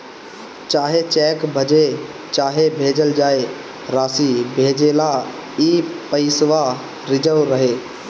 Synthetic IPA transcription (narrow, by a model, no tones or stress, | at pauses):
t͡ʃaːɦet͡ʃɛːkbʱəd͡ʒe | t͡ʃaːɦebʱeːd͡ʒəld͡ʒaːe | ɾaːsibʱeːd͡ʒeːlaiːpəɪsʋa | ɾɪd͡ʒəʋɾəɦeː